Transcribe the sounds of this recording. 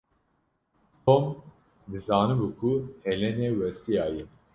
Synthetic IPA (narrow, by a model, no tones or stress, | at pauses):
t̪ʰom | d̪ɨzaːnɨbukʰuhɛlɛnɛwɛst̪ijaːji